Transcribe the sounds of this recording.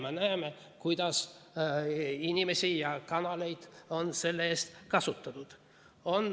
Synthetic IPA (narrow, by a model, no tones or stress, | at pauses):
menæeme | kujd̪̥ɑs | inʲime̞sʲijɑkɑnɑle̞jd̪̥o̞nse̞lːeeːst̪kɑsut̪ˑːɑt̪ud̪̥ | o̞n